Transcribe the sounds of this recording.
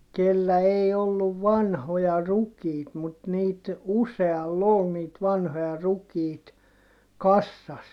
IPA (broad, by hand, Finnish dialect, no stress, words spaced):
kelːæ ei olːuʋ ʋɑnhojɑ rukiːt mut niːt useɑlː ol niːt ʋɑnhojɑ rukiːt kɑsːɑs